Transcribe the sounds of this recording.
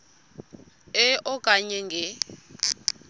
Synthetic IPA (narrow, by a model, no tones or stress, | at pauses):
ɛʔɔkʼaɲɛŋɡʱɛ